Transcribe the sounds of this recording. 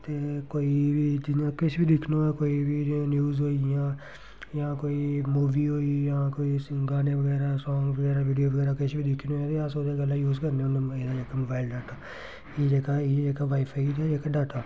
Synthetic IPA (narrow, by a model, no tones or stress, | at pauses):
t̪ekoːibʱid͡ʒɪnãkɪt͡ʃʰbʱid̪ɪkʰnoɛkoːibʱinjuːzɦoːijãː | jãkoːimuːʋiːɦoːijɐɦãkoːisɡaːneʋəɡɛːɾasɔːŋɡʋəɡɛːɾaʋiːɖijoʋəɡɛːɾakɪt͡ʃʰbʱid̪ɪkʰnoɛ̃t̪ojãsoːd̪eɡəlːajuːzkəɾneʊneeːad͡ʒeːkamobaːɪlɖaːʈaː | jeːd͡ʒeːkajed͡ʒeːkaʋaːipʰaːid̪ɛd͡ʒeːkaɖaːʈaː